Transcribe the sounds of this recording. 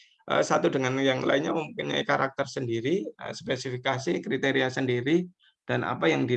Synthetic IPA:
ʔə̰sat̪udəŋanjaŋla̰inɲaməmukɪna̰kaɾak̚t̪ərsəndiɾiə̰spesifikasikɾit̪eɾiasəndiɾi | d̥ana̰pajaŋdi

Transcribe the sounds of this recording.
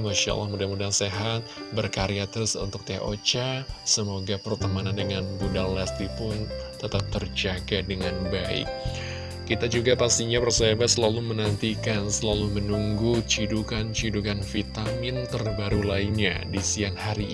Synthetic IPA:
ŋoʃa̰la̰hmudamudaŋseɦat̪̚bərkaɾiat̪əɾsṵnt̪ʊk̚t̪eʔo̰t͡ʃasəmoɡapərt̪əmanandəŋanbudallast̪ipʊnt̪ət̪ap̚t̪ərd͡ʒaɡadəŋanbaɪ̰kː | it̪ad͡ʒuɡapast̪iɲapərsebasəlalumənant̪ikansəlalumənuŋɡut͡ʃidukant͡ʃidukanfit̪amɪnt̪ərbaɾulainɲa̰disiaŋhaɾi

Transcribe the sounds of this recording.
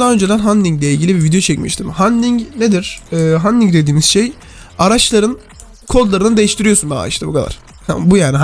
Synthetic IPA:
d̪anø̞nd͡ʒed̪ænɦanlʲiŋɟlʲɛilʲɟilʲibivid̪ejo̞t͡ʃʰɛcmḭʃt̪ʰimhand̪iŋɟne̞d̪iɾ̥ɛːɦand̪iŋd̪e̞d̪iːmiz̥ʃej | aɾat͡ʃlˠaɾɯn | kʰo̞d̪lˠaɾɯnɯd̪e̞jiʃt̪ʰiɾijo̞sunbia̰ːḭʃt̪abukʰad̪ˠa̰ɾ̥ | hbujaːniɦ

